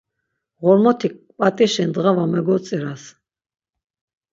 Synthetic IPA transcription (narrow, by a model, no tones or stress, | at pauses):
ʁɔɾmɔt̪ʰikʼpʼat̪ʼiʃind̪ʁavamɛɡɔt͡s̪ʼiɾas